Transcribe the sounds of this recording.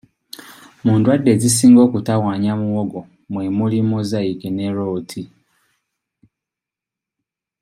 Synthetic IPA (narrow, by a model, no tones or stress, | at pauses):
muːndwadːezisiːŋɡo̞ːkutawaːɲamuwoɡo | mwemulimuzaikineɾoːtʰi